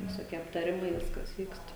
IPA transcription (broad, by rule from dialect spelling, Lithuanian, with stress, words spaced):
ʋʲɪsoːˈkʲiɛ ɐptɐˈrʲɪmɐɪ ˈʋʲɪskɐs ˈʋʲiːkst